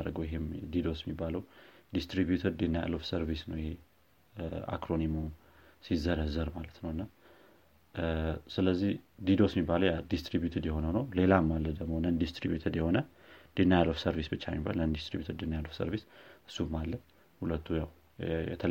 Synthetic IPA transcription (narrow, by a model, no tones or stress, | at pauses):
aɾəɡəwjɪɦemd̪id̪o̞sjɛmːibːaləwd̪ist̪ɾibjut̪ʰədd̪inaja̰lːofsəɾvisnəwjɪhe̞ | a̰kɾo̞nimo | sizəɾəzəɾmalət̪nəwɨnːa | sɨləzːihd̪id̪o̞smːibːaləwjad̪ist̪ɾibjut̪ʰed̪jɛho̞nənəwle̞lamːalːəd̪əɡmo̞nənd̪ist̪ɾibjut̪ʰed̪jɛho̞nə | d̪̥enːajalofsəɾvisbɨt͡ʃːamiba̰lnənd̪ist̪ɾibjut̪ʰədd̪inajalofsə̰ɾvisʔɨsːumːalːə | hulət̪ːujaw | jɛ̰t̪ʰəl